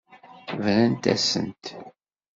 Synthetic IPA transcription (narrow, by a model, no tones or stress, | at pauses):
vɾənt̪æ̰sə̰nt̪